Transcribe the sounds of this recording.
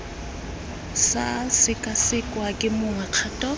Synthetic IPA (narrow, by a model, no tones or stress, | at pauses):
sasɪkʼasɪkʼwakʼɪmʊŋaq͡χʰatʼɔ